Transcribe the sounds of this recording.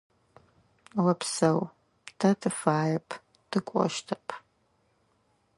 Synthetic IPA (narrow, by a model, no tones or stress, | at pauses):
wɐpsɐw | tʰɐtʰɨfaːjɐpʰ | tʰɨkʷʼɔ̰ʃtʰɐpʰ